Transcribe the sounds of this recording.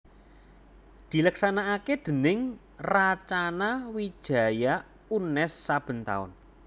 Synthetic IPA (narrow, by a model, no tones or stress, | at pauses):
d̪̥i̤ləksanaʔaked̪̥ə̤nɪŋ | rat͡ʃanawi̥ʒ̥a̤ja | unɛsːab̥ə̤nt̪a̰ʊ̰n